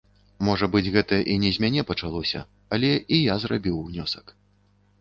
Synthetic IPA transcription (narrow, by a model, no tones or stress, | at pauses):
mɔʐɐbɨd͡zʲɣɛt̪ɐʔinʲɛzʲmʲanʲɛpɐt͡ʂalˠɔsʲɐ̰ | ɐlʲɛijazrabʲiwnʲɔsɐ̥k